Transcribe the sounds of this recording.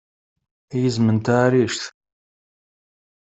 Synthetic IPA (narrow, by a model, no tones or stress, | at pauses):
jəzmənt̪aːɾiʃθ